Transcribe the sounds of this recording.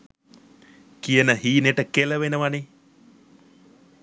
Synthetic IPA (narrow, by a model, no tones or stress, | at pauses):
kijənəhiːneʈəkeləʋenəʋane